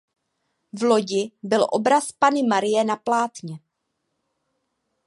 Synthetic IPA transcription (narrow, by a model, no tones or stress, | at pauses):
vlo̞ɟɪbɪlʔo̞̰bɾaspanɪmaɾɪjɛnaplaːt̪ɲɛ